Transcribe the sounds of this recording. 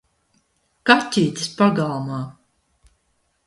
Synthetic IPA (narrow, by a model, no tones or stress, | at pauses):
kat̪ʲiːt̪ʲɨ̥spaɡalˠmaː